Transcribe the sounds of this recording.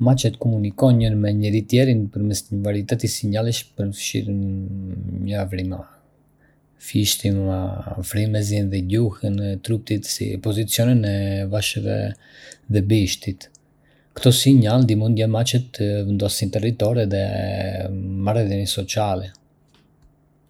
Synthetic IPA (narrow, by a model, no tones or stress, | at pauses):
mat͡ʃɛt̪kɔmunikɔnɲəɾmɛɲəɾit̪jɛɾinpəɾmɛsɲəvaɾiit̪ɛt̪isiɲaliʃpəɾnəfʃḭɾn | ɲəavɾima | fiʃt̪imafɾimɛzinðɛɟuhənt̪ɾup̚t̪it̪sḭpɔzit͡sjɔninɛvaʃəvɛ̰ | ðɛbiʃt̪it̪ | kt̪ɔsiɲald̪imund̪jamat͡ʃət̪ːəvənd̪ɔsint̪ɛrit̪ɔɾɛðɛ | maɾɛðjɔnisɔt͡sialɛ